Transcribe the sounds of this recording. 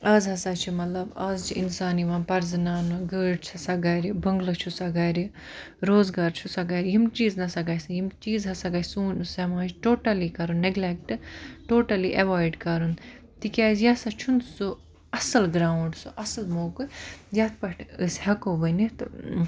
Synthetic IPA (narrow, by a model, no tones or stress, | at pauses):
ɐːzɦɐsat͡ʃʰimɐt̪lɐbaːzt͡ʃʰiinsaːniʋaːnpɐɾznaːnɨɡəːɖt͡ʃʰɐsɐɡaːɾibɐŋɡlɨt͡ʃʰusɐɡaːɾi | ɾoːzɡaːɾt͡ʃʰusɐɡaːɾʲjimt͡ʃiːznɐsɐɡaːjsɐjimt͡ʃiːzɦɐsaɡasuːnsɐmaːt͡ʃʰʈoːʈɐlikɐɾunːeɡlek̚ʈʈoːʈɐliʔɐʋaːjɖkɐɾun | t̪ikʲaːzjasɐt͡ʃʰunsu | ɐsɐlɡɾaːwɳɖsuʔɐsɐlmoːkɨzaːt̪ʰpɐʈʰɨshɐkoːbənit̪ɨ